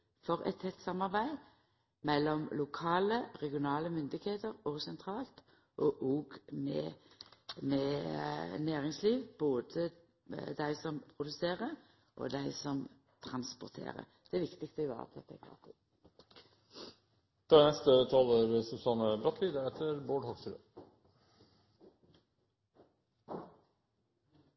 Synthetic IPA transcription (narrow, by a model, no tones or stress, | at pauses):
fɔʁɛ̰t̪ʰɛt̪ːsɑmːɑʁbæɪ | mɛlːɔmlʊkʰɑːləʁɛɡɪʊnɑːləmʏnd̪ɪɡheːt̪əʁɔɡsɛnt̪ʰʁɑːlt̪ | ʔɔʔoːɡmɛ̰ | mɛ | næːʁɪŋsliːʋboːd̪ə | d̪æɪsɔmpʰʁʊd̪ʉseːʁə | ʔo̰ːd̪æɪsɔm | t̪ʰʁɑnspʊʁt̪ʰḛːʁə̰ | d̪̥ɛæʋɪkt̪ɪkst̪əʋæ̰ːɑ̰t̪d̪ɛt̪ːæɪɡʁɑ̰ːt̪ʰʊ | fɑd̪nɛst̪ət̪ʰɑːləmesʊsɑnəbɾɑt̪ʰliːd̪əɛt̪ʰəɾboːɖhɔɡsɾø̰